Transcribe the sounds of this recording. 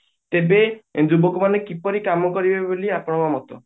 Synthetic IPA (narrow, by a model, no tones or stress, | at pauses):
t̪ebed͡ʒubɔkɔmanekipɔɾikamɔkɔɾibeboliapɔɽ̃ɔbamɔt̪ɔ